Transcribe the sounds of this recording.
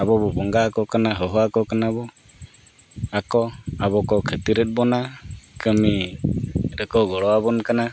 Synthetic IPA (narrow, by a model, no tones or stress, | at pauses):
abɔbɔbɔŋɡakɔkanaɦɔɦɔakɔkanabɔ | akɔabɔkɔkʰət̪iɾɛt̪̚ˀbɔnakəmi | ɾɛkɔɡɔɽɔabɔnkana